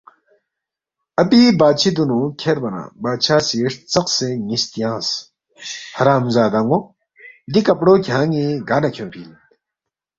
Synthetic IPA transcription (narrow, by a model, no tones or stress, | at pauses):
ɐpibaːt͡ɕʰid̪unũkʰeɾbɐnã̰ːbaːt͡ɕʰaːsiʂt͡sɐqseŋist̪ijãːs | hɐɾaːmzaːd̪aŋɡo | d̪ikɐpɽoːkʲʰjãːŋiɡaːnɐkʰjõpʰiːl